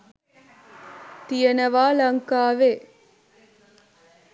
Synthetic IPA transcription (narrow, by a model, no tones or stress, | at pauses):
t̪ɪjɐnɐʋaːlɐŋkaːʋeː